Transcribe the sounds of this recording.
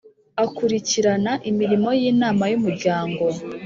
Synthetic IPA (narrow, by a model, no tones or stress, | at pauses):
akuɾiciɾanaʔimiɾimo̞jiːnaːmajumuɾɟaːŋɡo̞